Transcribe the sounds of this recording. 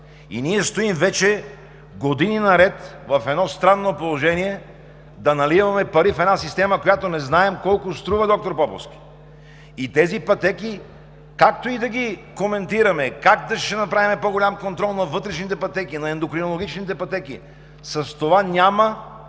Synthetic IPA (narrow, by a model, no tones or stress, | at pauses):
ḭniɛst̪oimvɛt͡ʃɛ | ɡod̪ininɐɾɛt̪vɐfɛd̪nɔst̪ɾanːopolˠoʒɛniɛ | d̪ɐnɐlivɐmɛpɐɾifɛd̪nasist̪ɛmɐkojat̪onɛznaɛmkɔlˠkost̪ɾuvɐd̪ɔk̚t̪oɾpɔpo̰fskʲi̥ | it̪ɛzipɐt̪ɛki | kakt̪oid̪ɐɡʲikomɛnt̪iɾɐmɛkaɡd̪ɐʃɛnɐpɾavimɛpoɡolʲamkont̪ɾɔlˠnɐvɤt̪ɾɛʃnit̪ɛpɐt̪ɛkinɐɛnd̪okɾinolˠoɡ̟ʲit͡ʃnit̪̬ɛpɐt̪ɛkḭ | sɐst̪ovanʲamɐ